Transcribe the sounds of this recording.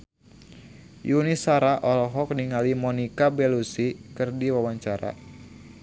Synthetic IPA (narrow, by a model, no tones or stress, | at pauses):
junisaɾaʔɔlɔɦɔk̚niŋalimɔnikabɛlusikɨrdiwawaɲt͡ʃaɾa̰